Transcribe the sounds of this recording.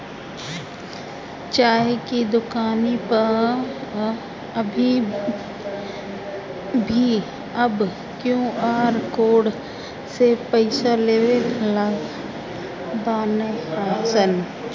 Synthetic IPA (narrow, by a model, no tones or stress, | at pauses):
t͡ʃaːɦekid̪ʊkaːnipə | əbʱi | bʱi | ɐb | kjũːaːɾkoːɽ | sepəɪsaleːʋela | d̪aːnaːsən